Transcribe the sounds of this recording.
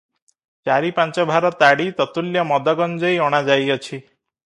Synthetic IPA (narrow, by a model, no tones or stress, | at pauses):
t͡ʃaɾipãnt͡ʃɔbʱaɾɔt̪aɽit̪ɔt̪uljɔmɔd̪ɔɡɔnd͡ʒɔjɔɽ̃ad͡ʒajɔt͡ʃʰi